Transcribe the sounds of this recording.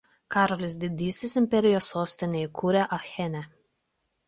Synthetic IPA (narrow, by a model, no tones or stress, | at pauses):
kɑːɾɔlʲɪs̬ʲd̪ʲɪd̪ʲiːsʲɪsɪmʲpʲɛɾʲɪjoːsːoːsʲt̪ʲɪnʲeikʰuːɾʲɛʔɐxʲɛnʲɛ